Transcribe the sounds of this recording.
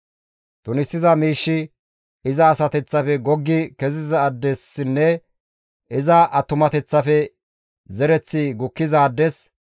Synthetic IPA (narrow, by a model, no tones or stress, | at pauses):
t̪ʊnɪsːɪzɐmiːʃːɪ | ɪzɐːsɐt̪ɛt͡sːɐfɛɡɔɡːɪkɛzɪzɐːd̪ːɛsɪnːɛ | ɪzɐʔɐt̪ːʊmɐt̪ɛt͡sːɐfɛ | zɛɾɛt͡sːɪɡʊkːɪzɐːd̪ːɛs